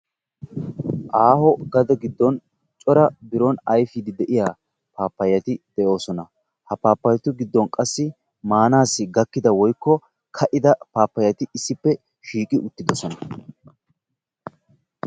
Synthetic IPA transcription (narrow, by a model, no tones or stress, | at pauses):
ʔaːhɔɡɐd̪ɐɡɪd̪ːɔn | t͡ʃʼɔɾɐbɪɾɔnɐjfid̪ɪd̪ɛʔɪjaː | paːpːɐjːɐt̪ɪd̪̥ɛʔo̞ːsɔnɐ | hɐpaːpːɐjt̪ʊɡɪd̪ːɔnkʼɐsːɪ | maːnaːsːɪɡɐkːɪd̪ɐwɔjkːɔ | kʰɐʔɪd̪ɐpaːpːɐjːɐt̪ɪɪsːɪpːɛ | ʃiːkʼɪʔʊt̪ːɪd̪ɔsɔnɐ